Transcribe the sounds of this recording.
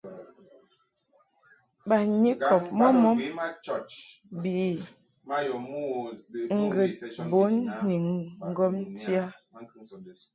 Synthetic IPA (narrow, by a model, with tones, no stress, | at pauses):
ba˨ɲi˦kɔ˨p̚mɔ˦mɔ˦m˦˨ | bi˨˦˨ | jɔ˨m˦ŋ̩˦˨ɡə˨tbo˨˦nni˨ŋŋ̩˦ɡɔ˦mti˦a˦